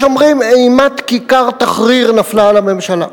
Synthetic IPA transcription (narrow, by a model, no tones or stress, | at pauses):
omʁimejmat̪kikaʁt̪aχʁiʁnaflalame̞mʃala̰